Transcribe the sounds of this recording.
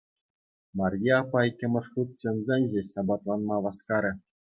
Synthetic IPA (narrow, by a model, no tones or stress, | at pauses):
mɑrʲjeɑpːɑikʲːɘ̆mʲɘ̆ʂχut̪̚t͡ɕɤ̆nzʲenʲʑesɑbɑt̪lˠɑnmɑʋɑskɑɾʲɘ̆